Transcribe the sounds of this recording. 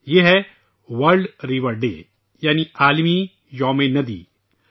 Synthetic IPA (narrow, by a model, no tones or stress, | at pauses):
jeɦɛ | ʋɐɾɖɾiːʋəɾɖḛː | jaːniaːlmiː | jɔːmeːnɐd̪ḭː